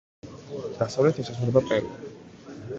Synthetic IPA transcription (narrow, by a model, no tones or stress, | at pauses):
d̪̥asavlɛt̪ʰɛsasɛbapʼɛɾṵi